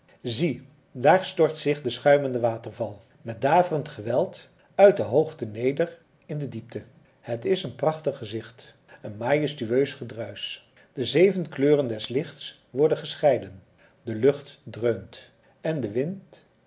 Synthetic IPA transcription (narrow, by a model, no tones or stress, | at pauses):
zi | daːɹstɔɹtsɪχdəsχœɥməndəʋaːtərvɑlˠ | mɛt̚daːvərəntχəʋɛlˠt | œɥt̚dəɦowχtənejdər | ɪndədip̚tə | hətɪsənprɑχtəχːəzɪχt | ənmaːjəstyøɥsχədrœɥs | d̥əzejvənkløːrəndɛslɪχts | ʋɔɹdənχəsχɛjdən | dəlɵχtdrøɥmt | ɛndəʋɪnt